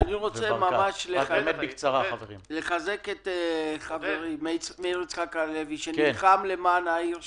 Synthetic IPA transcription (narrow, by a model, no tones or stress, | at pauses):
aniʁo̞t͡semamaʃleemet̪bikt͡saʁaaveʁḭmle̞χazeketeχaveʁimet͡smeʁit͡sχakaleviʃeniχamlemaːnaiʁ